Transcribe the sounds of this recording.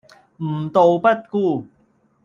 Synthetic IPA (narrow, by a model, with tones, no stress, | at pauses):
m̩˨˩˦t̪o˧wpa˥˩t̪̚kuː˥˩